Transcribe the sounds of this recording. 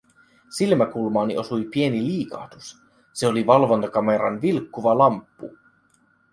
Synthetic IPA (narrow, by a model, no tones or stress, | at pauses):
silmækulmɑːniʔo̞sujpie̞niliːkɑ̰ːt̪us | se̞oliʋɑlʋo̞nt̪ɑkɑme̞ɾɑnʋilkːuʋɑlɑmpːṵ